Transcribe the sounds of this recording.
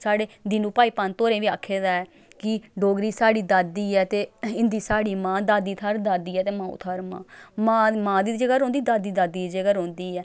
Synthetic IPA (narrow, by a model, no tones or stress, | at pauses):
saːɽeːd̪ɪːnũːpaːiːpant̪oːɾẽːʋiːaːkʰːeːd̪aːɛː | kɪɖoːɡɾiːsaːɖiːd̪aːd̪iːɛːt̪eːɪnd̪iːsaːɽiːmãːd̪aːd̪iːt̪ʰaːɾd̪aːd̪iːɛːt̪eːmãːṵt̪ʰaːɾmã̰ːmãːmãːd̪iːd͡ʒəɡaːɾɦõːnd̪iːd̪aːd̪iːd̪aːd̪iːd͡ʒəɡaːɾɦõːnd̪iːɛː